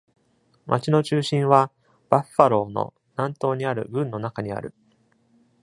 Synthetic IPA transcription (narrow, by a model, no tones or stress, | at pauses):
mʔat͡ɕino̞t͡ɕɨːɕĩɰ̃βa | b̥aɸːaɾo̞ːno̞̰ | nãnt̪o̞ːɲ̟iaɾɯ̟ɡɯ̟̃nːo̞nakaɲ̟ia̰ɾɯ̟